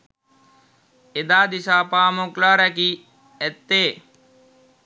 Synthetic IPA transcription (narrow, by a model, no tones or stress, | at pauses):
ed̪aːd̪isaːpaːmoklaːɾæki | ɛt̪ːeː